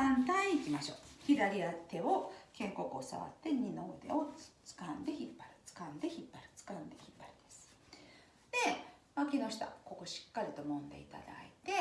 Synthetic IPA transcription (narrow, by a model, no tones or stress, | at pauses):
ãnt̪aiːkʲimaɕo̞ːçid̪aɾʲiat̪e̞okẽ̞ŋko̞kɯosa̰βa̰t̪ːe̞ɲinoːd̪e̞̰o̞t͡sɨ̥kãnd̪e̞çipːaɾɯ̟̥t͡sɨ̥kãnd̪e̞çipːaɾi̥t͡sɨ̥kãnd̪e̞çipːaɾʲid̪e̞sɨ̥ | d̪̥e̞makʲinoɕi̥t̪a̰ko̞ko̞ɕi̥kːaɾʲit̪o̞mõ̞nd̪e̞̰it̪a̰d̪a̰it̪e̞